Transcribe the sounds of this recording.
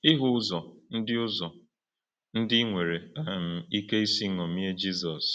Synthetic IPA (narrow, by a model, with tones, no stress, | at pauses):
ɪ˦ɦʊ˦zɔ˨n̩˦dɪ˦ʊ˦zɔ˨ | n̩˦dɪ˦ŋʷe˨ɾe˨a˦m̩˨i˦ke˦i˦si˦ŋɔ˨mi˦e˦d͡ʒi˦zɔ˨s